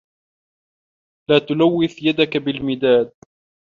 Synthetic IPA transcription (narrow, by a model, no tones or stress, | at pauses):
laːt̪ʊlawːɪθjad̪akabɪlmɪd̪aːd̪̚